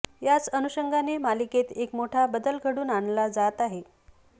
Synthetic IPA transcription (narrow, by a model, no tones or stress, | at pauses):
jat͡sənuɕəŋɡʱanemaliket̪ekmoʈʰabəd̪əlɡʱəɽuːnaɳlad͡zat̪aɦe